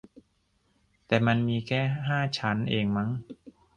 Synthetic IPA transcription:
t̪ɛː˨˩ma˧nmiː˧kʰɛː˥˩ɦaː˥˩t͡ɕʰa˦˥nʔeː˧ŋma˦˥ŋ

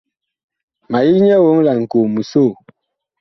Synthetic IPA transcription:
ma˨ji˦ɲɛ˦wo˦ŋla˨ŋ̩˨ko˨mu˨so˦˨

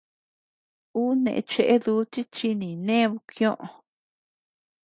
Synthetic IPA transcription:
uː˦nḛ̃˧ʔḛ˧t͡ʃe˧ʔe˦ðuː˧˦t͡ʃi˦t͡ʃi˧nĩ˨nẽ˦˧βu˧kj̃õ˦ʔõ˧

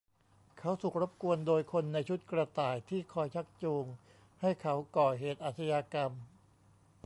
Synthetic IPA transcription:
kʰa˦˥wsu˨˩k̚ɾa˦˥p̚ku˧əndoː˧jkʰo˧nːa˧jt͡ɕʰu˦˥t̪̚kɾa˧t̪aː˨˩jt̪ʰiː˥˩kʰɔː˧jt͡ɕʰa˦˥k̚t͡ɕoː˧ŋ | ha˥˩jkʰa˦˥wkɔː˨˩ɦeː˨˩t̪̚ʔaː˨˩t̪ʰsʰa˧jaː˧ka˧m

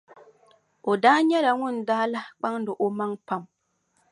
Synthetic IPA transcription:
o˨daː˦ɲɛ˦la˨ŋʊ˦˨n˨daː˦la˦k͡pa˦ŋdɨ˨ʔo˨ma˦ŋpa˦˨m

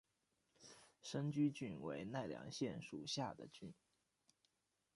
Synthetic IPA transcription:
ʂə˥nt͡ɕy˥t͡ɕy˥˩nwe˧˥ɪna˥˩ɪljɑ̰˧˥ŋɕjɛ˥˩nʂṵ˨˩ɕja˥˩d̪ə̰˨˩t͡ɕy˥˩n

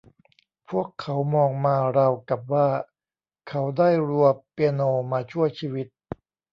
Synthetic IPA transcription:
pʰu˥˩əkʰːa˩˦wmɔː˧ŋmaː˧ɾa˧wka˨˩p̚waː˥˩ | kʰa˦˥wdaː˥˩jɾu˧əpe˧noː˧maː˧t͡ɕʰu˥˩əjt͡ɕʰiː˧wi˦˥t̪̚

